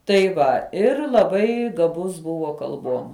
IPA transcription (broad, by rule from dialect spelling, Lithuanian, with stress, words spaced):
tɐɪ ˈʋɐ ˈɪr lˠɐˈbɐɪ ɡɐˈbʊs ˈbʊʋoː kɐlˠˈbuɔm